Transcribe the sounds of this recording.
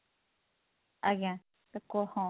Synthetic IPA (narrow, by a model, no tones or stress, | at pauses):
ajã | t̪akohõ